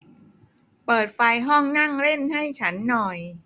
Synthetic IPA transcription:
pɤː˨˩t̪̚fa˧jɦɔ˥˩ŋna˥˩ŋɾe˥˩nɦa˥˩jt͡ɕʰa˦˥nːɔ˨˩j

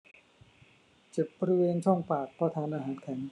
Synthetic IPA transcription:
t͡ɕe˨˩p̚bɔː˧ɾi˦weː˧nt͡ɕʰɔ˥˩ŋpaː˨˩k̚pʰɔː˧t̪ʰaː˧nʔaː˧ɦaː˩˦nkʰɛː˩˦n

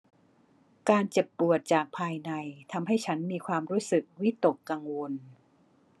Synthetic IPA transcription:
kaː˧nt͡ɕe˨˩pːu˨˩ət̪̚t͡ɕaː˨˩k̚pʰaː˧jna˧jt̪ʰa˧mɦa˥˩jt͡ɕʰa˦˥nmiː˧kʰwaː˧mɾuː˦˥sɯ˨˩k̚wi˦˥t̪o˨˩kːa˧ŋwo˧n

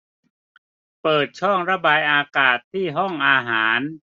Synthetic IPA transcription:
pɤː˨˩t̪̚t͡ɕʰɔ˥˩ŋɾa˦˥baː˧jʔaː˧kaː˨˩t̪ʰːiː˥˩ɦɔ˥˩ŋʔaː˧ɦaː˩˦n

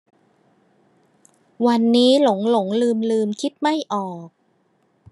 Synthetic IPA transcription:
wa˧nːiː˦˥lo˩˦ŋlo˩˦ŋlɯː˧mlɯː˧mkʰi˦˥t̪̚ma˥˩jʔɔː˨˩k̚

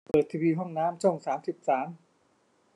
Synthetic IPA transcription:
pɤː˨˩t̪ʰːiː˧wiː˧ɦɔ˥˩ŋnaː˦˥mt͡ɕʰo˥˩ŋsaː˩˦msi˨˩p̚saː˩˦m

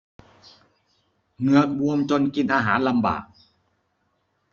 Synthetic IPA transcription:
nɯ˧ək̚ɓu˧əmt͡ɕo˧nki˧nʔaː˧ɦaː˩˦nla˧mba̰ː˨˩k̚

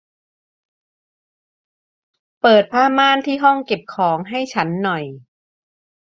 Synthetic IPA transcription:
pɤː˨˩t̪̚pʰaː˥˩maː˥˩nt̪ʰiː˥˩ɦɔ˥˩ŋke˨˩p̚kʰɔː˩˦ŋɦa˥˩jt͡ɕʰa˦˥nːɔ˨˩j

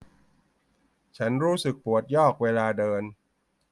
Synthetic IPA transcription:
t͡ɕʰa˦˥nɾuː˦˥sɯ˨˩k̚pu˨˩ət̪̚jɔː˥˩k̚weː˧laː˧dɤː˧n

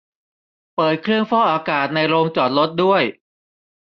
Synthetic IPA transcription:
pɤː˨˩t̪̚kʰɾɯ˥˩əŋfɔː˥˩ʔaː˧kaː˨˩t̪̚na˧jɾoː˧ŋt͡ɕɔː˨˩t̪̚lo˦˥t̪̚du˥˩əj

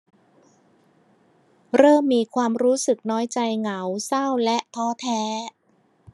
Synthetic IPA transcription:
ɾɤː˥˩mːiː˧kʰwaː˧mɾuː˦˥sɯ˨˩k̚nɔː˦˥jt͡ɕa˧jŋa˩˦wsa˥˩wlɛ˦˥ʔt̪ʰɔː˦˥t̪ʰɛː˦˥

